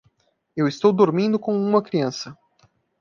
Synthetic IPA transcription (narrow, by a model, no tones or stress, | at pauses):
ewɪst̪owd̪oɾmĩnd̪ʊkõũmɐkɾiɐ̃sɐ